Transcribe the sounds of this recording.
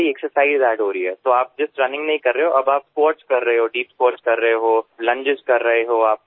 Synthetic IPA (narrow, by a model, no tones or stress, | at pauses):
iɛksəɾsaːɪzɛːɖɦoːɾɐiɦɛːt̪oːaːp̚d͡ʒɪsɾɐnɪ̃ŋɡnɐɦĩkɐɾːɐɦeɦoʔɐbaːpspoːɾʈskɐɾːɐɦeɦoːɖiːpspoːɾʈskɐɾːɐɦeɦoːlɐ̃ɲd͡ʒɪd͡ʒkɐɾːɐɦeɦoːaːp̚